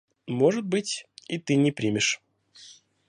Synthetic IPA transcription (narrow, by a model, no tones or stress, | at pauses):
mo̞ʐɨt̪̚bɨtʲit̪ɨnʲɪpɾʲimʲɪʂ